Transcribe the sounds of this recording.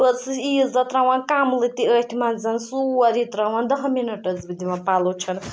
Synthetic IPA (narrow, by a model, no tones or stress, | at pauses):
əsizat̪ɾawãnkamlɨt̪iəʈʰimand͡zɐnsuaɾit̪ɾawand̪ɐɦminɐʈəd͡zbid̪imãpalut͡ʃʰʌn